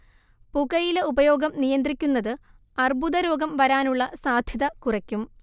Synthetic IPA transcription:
puɡɐjileubɐjo̞ːɡɐmnijɐnd̪rikʲːunːɐðɨ | ɐrbuðɐɾo̞ːɡɐmʋɐɾaːnuɭːɐsaːd̪ʱjɐðɐkurɐkʲːum

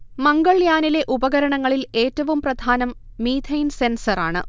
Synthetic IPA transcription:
mɐŋɡɐɭjaːnile̞ʔubɐɣɐɾɐɳɐŋːɐɭile̞ːtːɐʋumprɐd̪ʱaːnɐmː | iːd̪ʰʱɐjnse̞nsɐraːɳɨ̰

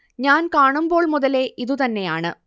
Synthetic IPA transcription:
ɲaːnkaːɳumbo̞ːɭmuðɐle̞ʔiðut̪ɐnːe̞jaːɳɨ

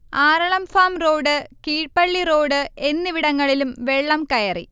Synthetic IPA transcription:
aːɾɐɭɐmfaːmro̞ːɽɨkiːʈpɐɭːiro̞ːɽɨe̞nːɨʋiɽɐŋːɐɭilumʋe̞ɭːɐmkɐjɐrḭ

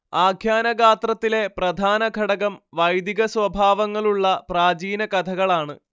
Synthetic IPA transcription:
aːɡʰʱjaːnɐɡaːt̪rɐt̪ːile̞prɐd̪ʱaːnɐɡʱɐɽɐɣɐmʋɐjd̪iɣɐsʋɐbʱaːʋɐŋːɐɭuɭːɐpraːd͡ʑiːnɐkɐt̪ʰɐɣɐɭaːɳɨ

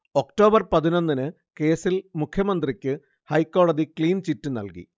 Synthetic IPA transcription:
o̞kʈo̞ːbɐrpɐðino̞nːinɨ | ke̞ːsilmukʰjɐmɐnd̪rikʲːɨ | hɐjkːo̞ːɭɐðikliːnt͡ɕitːɨnɐ̰lkḭ

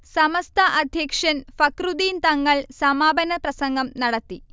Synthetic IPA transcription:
sɐmɐst̪ʰɐʔɐd̪ʱjɐkʂɐnfɐkrud̪iːnt̪ɐŋːɐɭsɐmaːbɐnɐprɐsɐŋɡɐmnɐɽɐt̪ːi

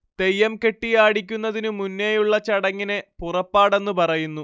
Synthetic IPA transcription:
t̪e̞jːɐmke̞ʈːijaːɽik̬ʲːunːɐðinɨmunːejuɭːɐt͡ɕɐɽɐŋːine̞purɐpːaːɽe̞nːupɐrɐjunːu

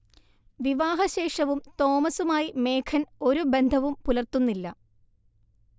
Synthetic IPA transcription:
ʋiʋaːɦɐɕe̞ːʂɐʋumt̪o̞ːmɐsumaːjime̞ːkʰɐno̞ɾube̞nd̪ʱɐʋumpulɐrt̪unːilːɐ

